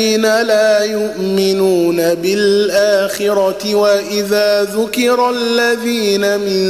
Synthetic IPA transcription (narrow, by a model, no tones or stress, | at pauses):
iːnalaːjʊʔmɪnuːnabɪlʔaːxɪɾˤɑtɪwaʔɪðaːðʊkɪɾˤalːaðiːnamɪ̃n